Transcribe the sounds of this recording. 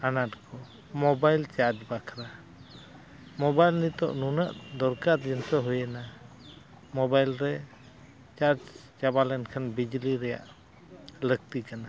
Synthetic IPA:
anaʈkʰɔ | mɔbajlt͡ʃaɾd͡ʒbakʰɾa | mɔbajlnit̪ɔ̰ʔnunəʔd̪ɔɾkaɾd͡ʒɛnsɔɦujɛna | mɔbajlɾɛ | t͡ʃaɾd͡ʒ | t͡ʃabalɛnkʰanbid͡ʒliɾɛja̰ʔ | lək̚t̪ikana

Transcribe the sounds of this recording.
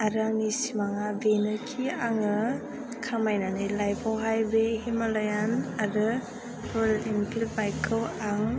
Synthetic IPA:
aɾaŋnisimaŋabenɯkʰiaŋɯ | kʰamajnanɯjlajbʰawɦajbehimalajanaɾɯ | pɯɾlinpʰilbajkʰɯwaŋ

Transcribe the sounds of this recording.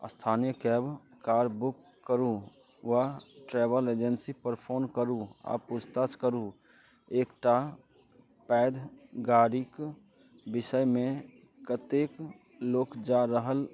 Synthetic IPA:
ə̰st̪ʰaːnijəkɛːbkaːɾbʊkːəɾu | ʋaʈɾɛːbəled͡ʒənsipəɾpʰoːnkəɾua̰pust̪at͡ʃkəɾu | eːkʈa | pɛːd̪ʱɡaːɾik | bɪsəjmẽ | kət̪ek | loːkd͡ʒaɾəɦəl

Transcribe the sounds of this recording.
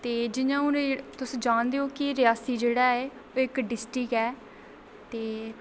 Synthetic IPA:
t̪eːd͡ʒɪnãːʊ̃ɾet̪ʊsd͡ʒãːnd̪eːoːkiɾɪjaːsiːd͡ʒeːɽaːeː | oːɪkɖɪsʈɾɪkɛː | t̪eː

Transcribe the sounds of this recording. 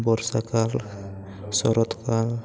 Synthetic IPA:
bɔɾsakal | sɔ̰ɾɔt̪kal

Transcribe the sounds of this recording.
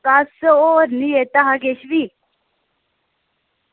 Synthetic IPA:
kasəoɾnijet̪aɦaɡeɕʋi

